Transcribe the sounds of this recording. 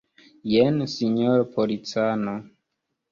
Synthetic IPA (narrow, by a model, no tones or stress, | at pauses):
jensiɲoɾpʰolit͡sano